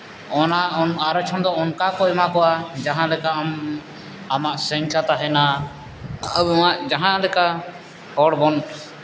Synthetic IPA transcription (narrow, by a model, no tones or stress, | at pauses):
ɔnaɔnaɾɔt͡ʃʰɔnd̪ɔɔnkakɔɛmakɔad͡ʒaɦãlɛkaʔm | amaʔsɛŋkat̪aɦɛna | əbmaʔd͡ʒaɦãlɛka | hɔɽbɔn